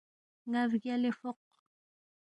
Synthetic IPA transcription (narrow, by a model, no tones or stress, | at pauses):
ŋavɣjalefoq̚